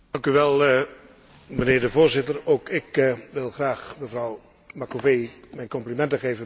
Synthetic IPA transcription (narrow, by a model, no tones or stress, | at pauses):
dɑŋkyʋɛlˠ | mənɪːɹdəvoːrzɪtərowkɪkʋɪlˠχraːχməvrɑw | makovejmɛjnkɔmplimɛntəχeːvə